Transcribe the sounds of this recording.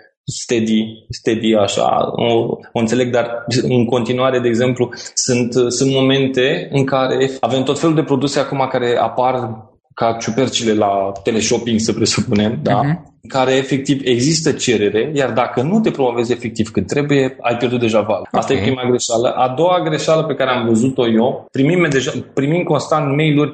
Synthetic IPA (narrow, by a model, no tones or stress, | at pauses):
st̪ed̪ist̪ed̪iaʃa̰o̰oɨnt̪se̞le̞ɡ̚d̪arɨŋko̞nt̪inuaɾe̞d̪e̞ːɡze̞mplusɨnt̪sunt̪mo̞mẽ̞nt̪e̞ɨŋkaɾe̞fave̞mt̪o̞t̪fe̞luld̪e̞pɾo̞d̪use̞akumakaɾe̞a̰par | kat͡ʃupe̞rt͡ʃile̞lat̪e̞le̞ʃo̞piŋɡsəpɾe̞supune̞md̪aɨŋkaɾe̞ːfe̞k̚t̪ive̞ɡzist̪ət͡ʃe̞ɾe̞ɾe̞jard̪akənut̪e̞pɾo̞mo̞ve̞ze̞fe̞k̚t̪iv̥kɨt̪̚t̪ːɾe̞buje̞a̰jpjerd̪ut̪d̪e̞ʒavala̰st̪ajepɾimaɡɾe̞ʃalə̰ʔad̪o̞waɡɾe̞ʃaləpe̞kaɾeamvəzut̪o̞jopɾimimmed̪e̞ʒapɾimimko̞nst̪ant̪me̞jlurʲ